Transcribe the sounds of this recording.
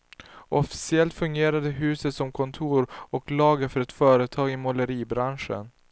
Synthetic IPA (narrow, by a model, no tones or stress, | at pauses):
ɔfɪ̥sɪɛlt̪fɵŋɡeːɾad̪əɦʉ̟ːsət̪sɔmkʰɔnt̪ʰuːɾɔklɑːɡəfœɾɛt̪fœːɾət̪ʰɑːɡɪmɔləɾiːbɾanʂə̰n